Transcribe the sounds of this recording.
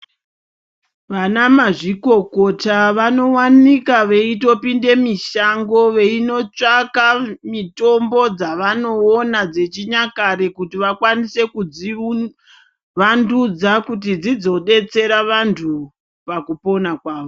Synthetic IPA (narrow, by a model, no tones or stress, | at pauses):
ʋanamaʐiko̞ko̞taʋano̞wanikaʋe̞ito̞pinde̞miʃaŋɡo̞ʋe̞ino̞t͡ʂakamito̞mbo̞d͡zaʋano̞ːnad͡ze̞t͡ʃiɲakaɾe̞kutiʋakwanise̞kui | ʋandud͡zakut̬id͡zid͡zo̞ɗe̞t͡se̞ɾaʋantʰu | pakupo̞nakwaːʋo